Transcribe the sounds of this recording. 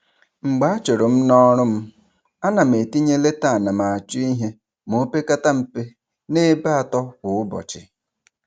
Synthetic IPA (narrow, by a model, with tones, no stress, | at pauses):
ŋ͡m̩˨ɡ͡ba˨˦t͡ʃo˨ɾo˨m̩˦nɔ˦ɾʊ˦m̩˦ | a˦na˨m̩˨e˨ti˦ɲe˦le˦ta˦˨a˨na˨ma˨a˨t͡ʃʊ˦i˦ɦe˦ | mo˦pe˦ka˦ta˦m̩˨pe˦ | ne˦ba˦a˨tɔ˦wʊ˨ʊ˦bɔ̰˨t͡ʃɪ̰˨